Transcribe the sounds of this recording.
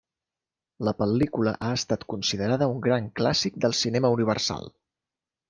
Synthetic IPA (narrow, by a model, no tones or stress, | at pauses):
ləpəlikulə̰ʔaəst̪at̪kunsiðəɾaðəuŋɡɾaŋklasik̚d̪əlˠsinɛməuniβ̞ərsa̰lˠ